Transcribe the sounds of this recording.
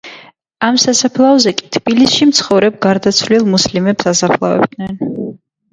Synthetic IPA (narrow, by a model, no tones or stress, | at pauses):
amsasapʰlˠaɔzɛkʼi̥t̪ʰb̥ilisʃimt̪sʰχɔvɾɛb̚ɡaɾd̪at̪sʰvlilˠmuslimɛpsasapʰlˠavɛ̰b̚d̪nɛn